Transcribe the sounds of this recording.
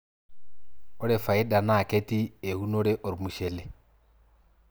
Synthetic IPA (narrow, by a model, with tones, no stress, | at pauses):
ɔ˦ɾɛ˨fa˨i˦ɗa˨naː˦˨kɛ˦ti˦e˨u˦nɔ˦ɾɛ˦ʔɔ˨ɾmu˨ʃɛ˨lɛ˨